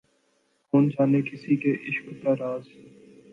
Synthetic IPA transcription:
koːnd͡ʒaːnekɪsikeʔɪʃkt̪aɾaːz

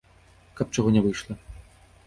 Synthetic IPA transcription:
kɐp̚t͡ʂɔɣɔnʲɛvɨjʂlˠɐ

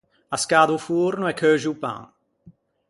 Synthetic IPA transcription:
askaːd̪ufuːɾnuɛkʰːøːʒiupã̰ŋ

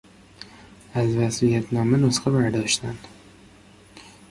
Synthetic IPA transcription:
æzvæsijæt̪ʰnɒːmanosqabæɾd̪ɒʃt̪ʰæn

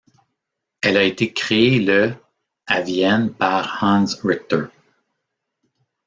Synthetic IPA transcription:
ɛlaet̪ekχeelə | avjɛnpaʁhɑ̃nsɹɪt̪ə˞

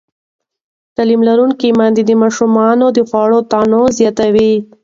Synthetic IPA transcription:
t̪alimlaɾuŋkimɑnd̪id̪əmɑʃumɑnod̪əfɑɽot̪ɑnozjɑt̪awi

